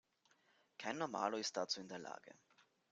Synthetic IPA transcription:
kʰaɪnːɔɐma̰ːloɪstd̥at͡suːɪndeːɐlʔa̰ːɡ̥ə̰

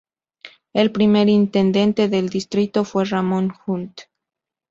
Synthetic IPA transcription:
elpɾime̞ɾint̪e̞nd̪e̞nt̪e̞ðe̞ld̪ist̪ɾit̪o̞fwe̞ramõnxult̪

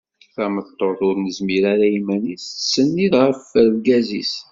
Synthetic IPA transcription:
θæmət̪ˤːoðʊɾnəzmiɾaɾæimænissːənːiðʁəfəɾlɡæzis

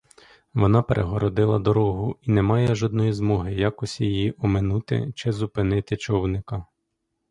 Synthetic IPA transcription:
ʋɔnɑpeɾʔeɦɔɾɔd̪ɪlˠɐd̪ɔɾɔɦʊinɛmɑjɛʒɔd̪nɔjizmɔɦɪjɑkɔsʲijijiʔɔmɪnut̪ɪ̰t͡ʃɪzʊpɪnɪt̪ɪt͡ʃɔwnɪkɐ

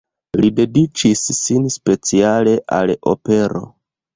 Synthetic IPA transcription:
lide̞dit͡ʃisːinspe̞t͡siale̞ʔa̰lo̞̰pe̞ɾo̞̰

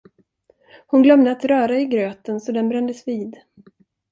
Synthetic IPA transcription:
hʊnɡlœmd̪əat̪ɾœːɾaɪɡɾøːt̪ənsɔd̪ɛnbɾɛnd̪əsviːd̪

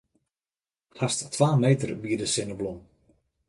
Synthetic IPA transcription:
hasttʰʋaːmejtərbiədəsɪnəblɔm

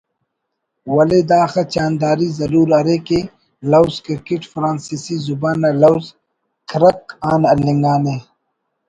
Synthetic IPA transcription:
wɐled̪aːxɐt͡ʃaːnd̪aːɾizɐɾuːɾɐɾeke | lɐwskiɾkiʈfɾaːnsisizubaːnɐlɐwz | kɾɐk̚aːnɐlːiŋɡaːne

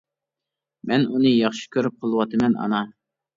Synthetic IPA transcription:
mɛnunɨjɑχʃi̥kʲʰøɾyp̚qʰəlˠɨwɑt̪ʰɨmɛnɑ̰nɑ

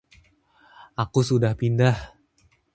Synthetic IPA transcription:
ʔakusudahpindah

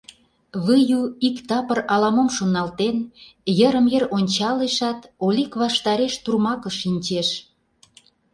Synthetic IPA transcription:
βɯjuikt̪ɑpərɑlɑmomʃonɑlt̪enjəɾəmjəronʲt͡ɕɑleʃɑt̪olʲikβɑʃt̪ɑɾeʃt̪urmɑkəʃinʲt͡ɕeʃ

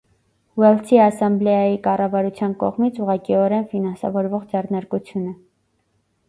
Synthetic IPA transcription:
wɛlsʰiɑsɑmblɛjɑjikɑrɑvɑɾut͡sʰjɑnkɔ̰ʁmit͡sʰuʁɑkiɔɾɛnfinɑnsɑ̰vɔɾvɔʁd͡zɛrnɑɾkut͡sʰjunə

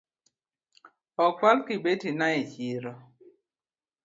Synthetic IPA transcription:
ɔkwalkɪbetinaet͡ʃiɾɔ

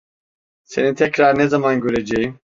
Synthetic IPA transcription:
senit̪ʰɛkʰɾaɾnɛzamanɡøɾed͡ʒɛjim

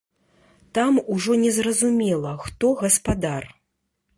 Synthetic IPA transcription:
t̪amuʐɔnʲɛzrɐzumʲɛlˠɐxt̪ɔɣɐspad̪ar

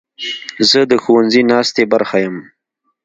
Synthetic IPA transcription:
zəd̪əxowanzinɑst̪ebaɾxajəm

